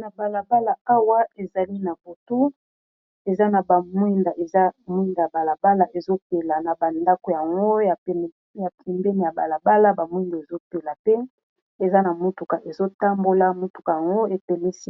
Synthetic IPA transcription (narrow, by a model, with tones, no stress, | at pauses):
na˨ba˨la˨ba˦la˨a˦wa˦e˨za˨li˦na˨bo˨tu˦ | e˨za˦na˨ba˨mwi˦nda˨ʔe˨za˦mwi˦nda˨a˨ba˨la˨ba˦la˨ʔe˨zo˦pe˨la˨na˨ba˨nda˦ko˨ja˨ŋɡo˦ja˨˦˨ | ja˨pʰi˨mbe˦ni˨ja˨ba˨la˨ba˦la˦ba˨mwi˦nda˨e˨zo˦pe˨la˨pe˦ | e˨za˦na˨mu˦tu˨ka˨ʔe˨zo˦ta˦mbo˦la˦mo˦tu̥˨ka˨ja˨ŋɡo˦e˨pe˨li˦si˦